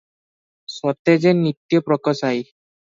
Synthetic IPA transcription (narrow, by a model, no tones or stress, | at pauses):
sɔt̪ɛzɛnit̪ːijɔpɹɔkɔsaj